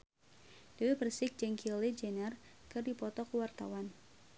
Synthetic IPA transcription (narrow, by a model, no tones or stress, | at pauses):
d̥əwebərsɪk̚d͡ʒɛŋkʰilid͡ʒɛnərkɨrdipɔt̪ɔkəwart̪a̰wan